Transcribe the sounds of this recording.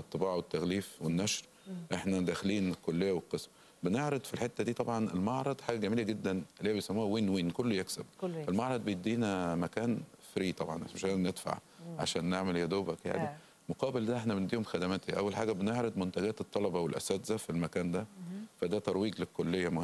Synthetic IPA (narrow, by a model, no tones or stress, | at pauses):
ʔɑt̪ˤːebɑːʕwet̪ːæɣliːfwenːæʃɾ | ʔeħnæd̪æːxeliːnelkːolːejːæwelqesm | beneʕɾɑd̪filħet̪ːæd̪iːt̪ˤɑbʕɑnḛlmɑʕɾˤɑd̪ˤħaːɡæɡæmiːlæɡed̪ːænleːæbejsæmːuːhæweːnwiːnkolːojeksæbʔelmɑʕɾˤɑd̪̚ˤbejed̪iːnæmækæːnfɾiːt̪ˤɑbʕɑ̰nʔmeʃæːned̪fa̰ʕ | ʕa̰ʃæːnːeʕmeljæd̪oːbækja̰ːni | moqɑːbeld̪æʔeħnæbend̪iːhomxæd̪æmæːt̪iʔæwːælħaːɡæbeneʕɾɑd̪mont̪æɡæːt̪et̪ˤːɑlɑbɑwelʔæ̰sæːt̪zæfilmækæːnd̪æfæd̪æt̪ɑɾˤwiːɡlekːolːejːæmoh